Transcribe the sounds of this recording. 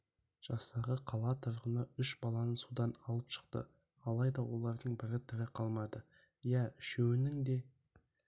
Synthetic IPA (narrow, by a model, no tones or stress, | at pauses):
ʒ̥ɑst̪ɑʁəqʰɑlˠɑt̪ʰəɾʁənɑʏʃbɑlˠɑnənsud̪ɑnɑlˠəpʃə̥qt̪ə̰ | ɑlˠɑjd̪ɑwo̞lˠɑɾd̪əɴbɪɾɪt̪ʰɪɾɪqʰɑlˠmɑd̪ə | jæʃewɪnɪŋd̪e̞